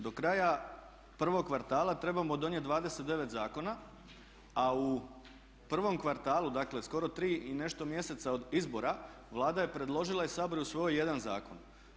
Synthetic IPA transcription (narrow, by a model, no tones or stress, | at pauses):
d̪o̞kɾaːja | pr̩ʋo̞ɡ̚kʋaɾt̪aːlˠat̪ɾe̞bamo̞d̪o̞njet̪d̪ʋaːd̪e̞set̪d̪e̞ʋet̪zaːko̞na | au | pr̩ʋo̞mkʋaɾt̪aːlud̪akle̞sko̞ɾo̞t̪ɾiːine̞ʃt̪o̞mje̞se̞t̪sao̞d̪izbo̞ɾa | ʋlˠaːd̪aje̞pɾe̞d̪lˠo̞ʒilˠaisaːboɾusʋo̞jje̞d̪anza̰ːko̞n